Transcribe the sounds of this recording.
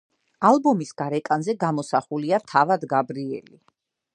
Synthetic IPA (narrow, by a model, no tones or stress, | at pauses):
alˠbɔmisɡ̥aɾɛkʼanzɛɡamɔsaχuliat̪ʰavad̪ɡabɾiɛ̰li